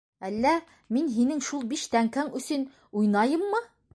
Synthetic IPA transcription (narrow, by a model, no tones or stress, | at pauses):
ælːæ | minɦinɘŋʃulˠbiʃt̪æŋkæŋɵ̆sɘn | ujnɑjɤmːɤ